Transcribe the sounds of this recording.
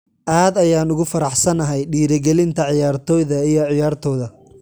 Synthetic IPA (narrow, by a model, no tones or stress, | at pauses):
ʔaːd̪ɐjaːnʊɣʊfɐɾɑħsɐnɐɦɛjɖiːɾɪɡɛlɪnt̪ʰɐʕɪjaːrt̪ʰɔːjðɐijɞʕɪjaːrt̪ʰɔːðɐ